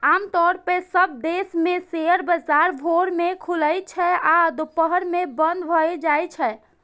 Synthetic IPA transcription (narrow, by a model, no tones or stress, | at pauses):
amt̪ɔɾpesəb̚d̪esmeseəɾbəzaɾbʱoɾmekʰuləjt͡ʃʰɛad̪upəɦəɾmebənd̪bʱɔɛd͡ʒajt͡ʃʰɛ